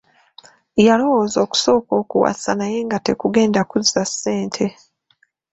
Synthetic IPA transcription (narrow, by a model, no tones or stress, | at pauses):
jalo̞wo̞ːzo̞ːku̥so̞ːko̞ːkuwa̰si̥sanaje̞ŋɡate̞kuɡe̞ːndakuzasːe̞ːntʰe̞